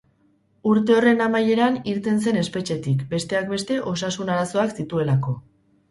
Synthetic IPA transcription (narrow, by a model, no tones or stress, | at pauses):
uɾt̪e̞o̞re̞namaje̞ɾaniɾt̪e̞nse̞ne̞spe̞t͡ʃe̞t̪ikbe̞st̪e̞ak̚be̞st̪e̞ʔo̞sasunaɾaso̞aksit̪ue̞lako̞